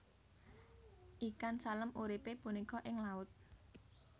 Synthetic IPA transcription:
ʔikansaləmuɾipepunikɔʔɪŋlaʊt̪̚

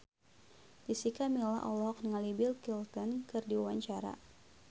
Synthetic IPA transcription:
disikamila̰ʔɔlɔk̚nəŋalibɪlkilt̪ɔnkɨrdiwawaɲt͡ʃaɾa̰

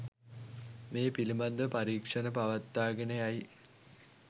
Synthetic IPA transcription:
meːpilimand̪əpaɾiːkʂənəpaʋat̪ːaːɡenejaj

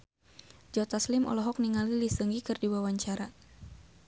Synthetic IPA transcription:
d͡ʒɔt̪aslimɔ̰lɔɦɔk̚niŋalilisəŋɡikɨrdiwawaɲt͡ʃaɾa

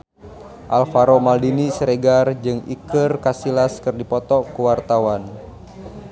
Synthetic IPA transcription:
ʔalfaɾomaldinisəɾeɡard͡ʒɨŋḭkɨrkasilaskɨrdipɔt̪ɔkuwart̪awan

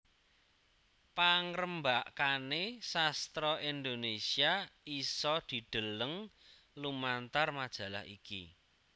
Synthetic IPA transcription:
paŋɾəmbaʔkanesast̪ɾɔʔind̪onesiaisɔd̪̥i̤d̪̥ə̤ləŋ | lumant̪armad̥ʒ̥ä̤la̰hḭkḭ

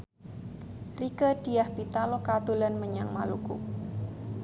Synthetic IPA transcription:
rikəd̥iahpit̪alokat̪ulanməɲaŋmalukʊ̰k̚

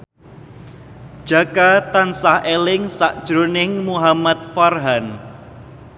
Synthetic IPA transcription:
d̥ʒ̥akat̪ansahelɪŋsaʔd̥ʒ̥ɾonɪŋmuɦamat̪̚farɦan

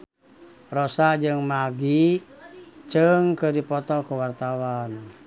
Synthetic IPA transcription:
rɔsad͡ʒɨŋmaɡi | t͡ʃɨŋkədipɔt̪ɔkuwart̪awan

